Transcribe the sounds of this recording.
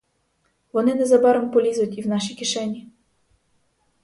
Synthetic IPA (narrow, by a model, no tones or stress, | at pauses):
ʋɔnɪnɛzɐbɑɾempɔlʲizʊtʲiwnɑʃikʲiʃɛnʲi